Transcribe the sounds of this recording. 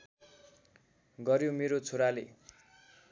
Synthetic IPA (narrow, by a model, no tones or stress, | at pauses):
ɡʌɾjomeɾot͡sʰoɾale